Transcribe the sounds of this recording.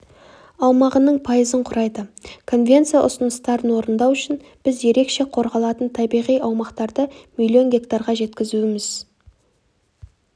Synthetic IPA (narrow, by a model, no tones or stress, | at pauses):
ɑwmɑʁənəɴpʰɑjəzəɴqʰʊɾɑjd̪əkʰo̞nvʲe̞nt̪sijɑʔʊ̰sənəst̪ɑɾənwo̞ɾənd̪ɑwʏʃɪn | b̥ɪzje̞ɾe̞kʃe̞qʰo̞ɾʁɑlˠɑt̪ənt̪ʰɑbijʁijɑwmɑqt̪ɑɾd̪əmilʲːio̞nɡʲe̞kt̪aɾʁɑʒe̞t̪kʲɪzuɪmɪz̥